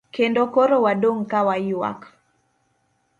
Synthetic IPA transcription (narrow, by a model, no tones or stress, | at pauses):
kendɔkoɾowaɗoŋkawaiwa̰k